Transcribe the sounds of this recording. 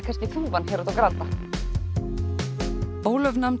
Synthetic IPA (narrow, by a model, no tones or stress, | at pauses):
kʰascɪθuːvanhɛːɾʏðt̪awkɾat̪ːa | oːwlœvnam